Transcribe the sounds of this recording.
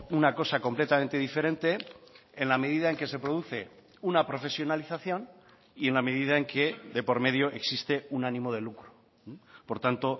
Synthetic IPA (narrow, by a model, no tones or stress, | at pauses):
unako̞sako̞mple̞t̪ament̪e̞ðife̞ɾẽ̞nt̪e̞enlame̞ðiðae̞ŋke̞se̞pɾo̞ð̞uθe̞ | unapɾo̞fe̞sjo̞naliθaθjo̞n | ie̞nlame̞ðiðae̞ŋke̞ðe̞po̞ɾme̞ðjo̞ʔe̞ksist̪e̞unanĩmo̞ð̞e̞lukɾu | po̞ɾt̪ant̪o̞